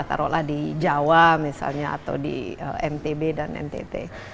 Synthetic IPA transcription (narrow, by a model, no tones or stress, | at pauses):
at̪a̰ɾɔlahdid͡ʒawamisa̰lɲaa̰t̪awdḭə̰ɛmt̪ebedanɛ̰nt̪ḛt̪ḛ